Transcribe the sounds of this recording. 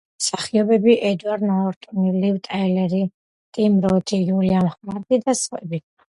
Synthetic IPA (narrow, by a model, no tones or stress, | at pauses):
msaχiɔbɛbiʔɛd̪uaɾnaɔɾt̪ʼunilivt̪ʼaɛlɛɾi | t̪ʼimɾɔt̪ʰijulianχmaɾd̪id̪asχwɛbia